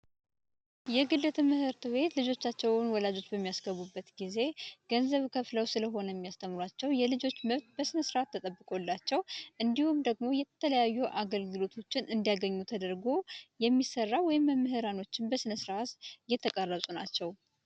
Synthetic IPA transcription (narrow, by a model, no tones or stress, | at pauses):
jɛɡɨlːət̪ʰmːɨhɨɾt̪ʰɨβe̞t̪lɨd͡ʒo̞t͡ʃːat͡ʃːɛwnwɔlad͡ʒo̞t͡ʃːbəmːijasɡəβubːət̪ɡize̞ɡ̥ənzəβkʰəfləwsɨləɦo̞nəjɛmːijast̪ʰəmɾwat͡ʃːɛwjɛlɨd͡ʒo̞t͡ʃːməβt̪̚bəsɨnəsɾʔat̪ʰːət̪ʼəbːɨkʼo̞lːat͡ʃːɛwʔɨnd̪ihumd̪əɡmo̞jɛt̪ʰələjajːuʔaɡəlɡɨlo̞t̪ʰo̞t͡ʃːɪnʔɨnd̪ijaɡəɲːut̪ʰəd̪əɾɡo̞jɛmːisərːawɔjɪmːəmːɨɦɨɾano̞t͡ʃːɪnbəsɨnəsɨɾʔat̪jɛt̪ʰəkʼərːəβsʼunat͡ʃːɛw